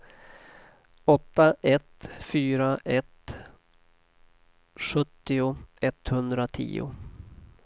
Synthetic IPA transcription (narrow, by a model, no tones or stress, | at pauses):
ɔt̪ːaʔɛt̪fyːɾaʔɛt̪ | ɧɵt̪ːɪʊɛt̪hɵnd̪ɾat̪ʰḭːʊ̰